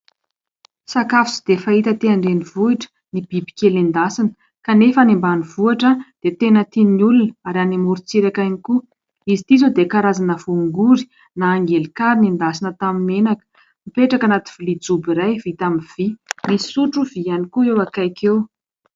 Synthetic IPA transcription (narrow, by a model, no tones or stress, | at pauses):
sakafu̥t͡si̥d̪efait̪ət̪eaɳɖ͡ʐenivuiʈ͡ʂə̥ | nib̥ibi̥kʲelend̪asinə̥ | kanefanimbanivuaʈ͡ʂəd̪̥et̪enət̪iniulunaɾanimuɾut͡siɾakajniku | izit̪izod̪ekaɾazanəv̥uŋɡuɾi̥ | naːŋɡelikaɾinind̪asinət̪aminenakə̥ | mipeʈ͡ʂakanat̪i̥v̥ulid͡zubiɾajvit̪amiv̥imi̥suʈ͡ʂuvianikuewakajkʰew